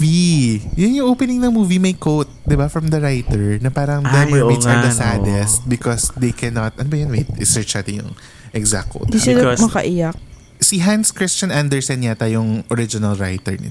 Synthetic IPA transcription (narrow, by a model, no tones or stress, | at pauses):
ijʊnjʊŋʔowpɛnɪ̃ŋnɐŋmuːvimɐjkowt̪̚d̪ɛbafɹɐmd̪ɐɹajt̪ɛɹnɐpaːɾɐŋd̪ɛmisɐd̪ɐsad̪ɛst̪̚bɪkɔsd̪ejkʰɛnɔt̪̚ʔɐnobɐjɐnwejt̪̚ɪ̰sɛɹt͡ʃnaːt̪ɪnjʊ̰ŋ | ʔɛɡzak̚o̰t̪d̪iʃɐd̪omɐkɐʔijɐk̚ | siɦanskɹɪst͡ʃɐ̃nand̪ɛɹsɛnɲat̪ɐjʊŋʔɔɾɪd͡ʒɪnɐlɹa̰jt̪ɛ̰ɹnɪ̰